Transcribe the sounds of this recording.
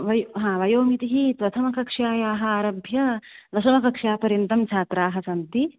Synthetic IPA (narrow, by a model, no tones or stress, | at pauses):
ʋɐjɦãːʋɐjoːmit̪iɦipɾɐt̪ʰɐmɐkɐkʂjaːjaːɦɐ̆aːɾɐbʱjɐlɐʃɐmɐkɐkʂjaːpɐɾjɐnt̪ɐmt͡ʃʰaːt̪ɾaːɦɐ̆sɐnt̪i